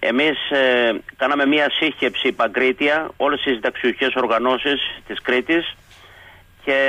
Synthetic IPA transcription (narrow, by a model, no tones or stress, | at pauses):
e̞̰mis | kɐnɐme̞mɐsiçe̞psipɐɡɾit̪iɐo̞le̞st̪izd̪ɐksiue̞so̞ɾɣɐno̞sist̪iskɾit̪is | ce̞